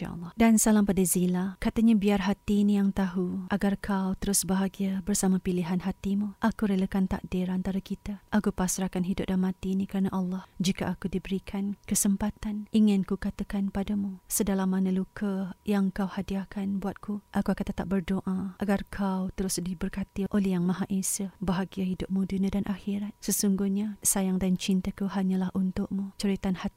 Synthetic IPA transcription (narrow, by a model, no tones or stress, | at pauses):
a̰lːdansalampadazilakat̪aɲabiarɦat̪inijaŋt̪aɦuʔaɡarkʰawt̪əɾʊsbəɦaɡiabərsamapiliɦanɦat̪imuʔakuɾələkant̪a̰k̚dɪɾant̪aɾakit̪aʔakupasɾakanɦidʊp̚damat̪iːnikəɾanaʔɑlːɑhd͡ʒikaʔakudibəɾikʰankəsəmpat̪anʔiŋɪnkukat̪akanpadamusədalamanalukʰəjaŋkawhadiakanbuat̪̚kʰuʔakuakant̪ːət̪ap̚bərdoʔãʔaɡarkʰawt̪əɾʊsdibərkat̪iʔolɛjaŋmaɦaʔesəbaɦaɡiaɦidʊp̚mudunadanʔaxiɾat̪̚səsuŋɡuhɲasajaŋdant͡ʃint̪akuɦaɲalahʔunt̪ʊʔmut͡ʃəɾit̪anhat̪i